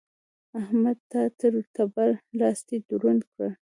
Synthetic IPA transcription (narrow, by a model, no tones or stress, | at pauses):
ahmad̪̚t̪at̪əɾt̪aballɑst̪ed̪uɾunkəɽ